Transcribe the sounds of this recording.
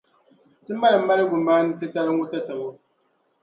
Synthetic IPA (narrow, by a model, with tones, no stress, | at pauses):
tɨ˦ma˦lɨ˨m̩ː˦a˦ɾɨ˦ɡʊ˨mbaː˦nɨ˦tɨ˦ta˦ɾɨ˦ŋʊ˦ta˦ta˨bo˦